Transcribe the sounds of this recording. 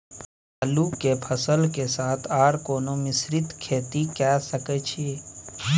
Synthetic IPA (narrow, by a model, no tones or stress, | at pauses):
aːlukːepʰəsəlkesaːt̪ʰaːɾkoːnomɪsɾɪt̪kʰeːt̪ikaːsəket͡ʃʰie